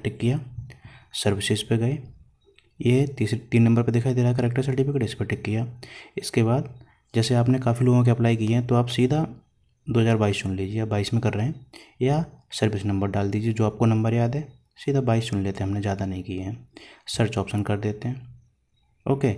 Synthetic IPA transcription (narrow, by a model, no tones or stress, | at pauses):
ʈɪkːijaː | sɐɾʋɪsɪzpeɡɐe | jet̪ist̪iːnːɐ̃mbəɾpeɾd̪ɪkʰaːid̪eːɾak̬ɐɾeːk̚ʈəɾsɐɾʈifʰɪkeʈɪspeʈɪkːijaːɪskeβaːd̪ | d͡ʒɛːseaːpnekaːfiloːɡõk̬iɐplaːikiɦɛ̃t̪oaːpsiːd̪ʱa | d̪oːɦəzaːɾbaːist͡ʃʊnliːd͡ʒieaːbaːiːsmẽkɐɾːəɦẽjasɐɾʋɪsnɐ̃mbəɾɖaːld̪iːd͡ʒied͡ʒoːaːp̚konɐ̃mbəɾjaːd̪ɦɛː | siːd̪ʱabaːist͡ʃʊnleːt̪eɛɦɐmnezjaːd̪anɐɦĩkijaɦɛ̃ːsəɾt͡ʃɔːpsənkɐɾd̪eːt̪eɦɛ̃ː | oːkeː